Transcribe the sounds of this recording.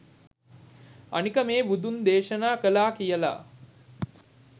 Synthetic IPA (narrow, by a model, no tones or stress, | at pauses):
ɐ̰nikəmeːbud̪und̪eːʃənaːkəlaːkijəla̰